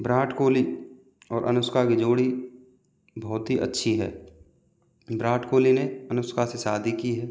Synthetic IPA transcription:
bɾaːʈʰkoːli | ɔːɾʔɐ̰nʊskakid͡ʒoːɽi | bɔːʊt̪ɦiʔɐ̰tːʃʰiɦɛ̰ː | bɾaːʈkoːlineɐnʊskʰasesaːd̪ʱikiɦɛː

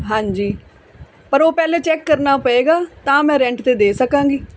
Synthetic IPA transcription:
ɦãːɲd͡ʒiː | pəɾoːpɛːlẽːt͡ʃɛːkːəɾnaːpəeːɡaːt̪ãːmɛ̃ːɾɛ̃ɳʈt̪eːd̪eːsəkãːŋɡiː

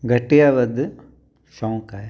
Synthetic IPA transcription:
ɡɐʈːɪjaːʋɐd̪ɯ | ʃɔ̃ːŋkaj

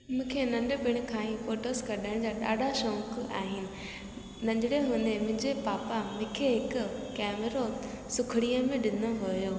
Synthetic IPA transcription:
mũːkʰenɐ̃nɖʊbʱɪɽ̃ʊ̆kʰãːĩfoːʈoskɐɗəɽ̃d͡ʑaːɗa̰ːɖʱaʃõːka̰ːɦɪnɪ̆ | nɐ̃ɲd͡ʑɪɽeɦʊnẽmʊ̃ɦɪ̃ɲd͡ʑepaːpamʊ̃ːkʰeɦɪkʊkɛːmeɾo | sʊkʰɪɽijəmẽɗɪnoɦʊjoː

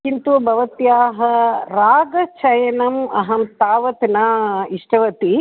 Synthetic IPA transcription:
t͡ʃint̪uʋɐbɐʋɐt̪jaːɦɐɾaːɡɐt͡ʃɐjɐnɐmɐɦɐmt̪aːʋɐt̪naiʂʈɐʋɐt̪i

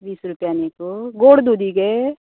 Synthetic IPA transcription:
biːsɾʊpjaːnek̪oɡoːɽd̪ud̪iɡe

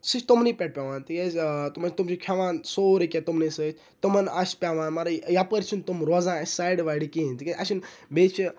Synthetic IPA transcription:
sɨt͡ʃt̪umnipʲeʈ̚pʲaʋaːnt̪ikʲest̪umɐt͡ʃt̪umt͡ʃʰukʲʰaʋaːnsoːɾikʲet̪umnisɨt͡ʃʰ | t̪umɐnaspʲaʋãːnmaɾɐjapəɾt͡ʃʰunt̪umɾoːzãːsaːjɖʋaːɽikiint̪ikʲɐɐʃinbeːt͡ʃʰi

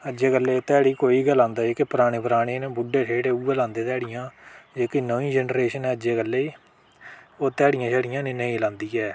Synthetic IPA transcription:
əd͡ʒeːkəlːeːt̪ɛːɽiːkoːiːɡəlãːnd̪aːeːkɪpəɾaːɽ̃eːpəɾaːɽeːnẽːbʊɖeːʈʰeːɽeːuːeːlãːnd̪eːt̪ɛːɽɪjãːd͡ʒeːkiːnoĩːd͡ʒɛːnɾeːʃənɛːəd͡ʒeːkəlːeiː | oːt̪ɛːɽɪjãːt͡ʃʰɛːɽɪjãːnẽːnəĩːlãːnd̪iːɛː

